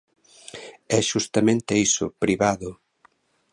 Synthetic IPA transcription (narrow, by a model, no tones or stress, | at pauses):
ɛʃust̪amẽnt̪eisʊ̰pɾiβaðʊ